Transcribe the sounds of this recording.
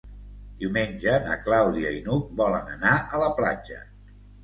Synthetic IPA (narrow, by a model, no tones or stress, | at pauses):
d̪iwmenʲd͡ʒənə̰klawðiəinuk̚bɔlənənaʔələpla̰d͡ʒə̰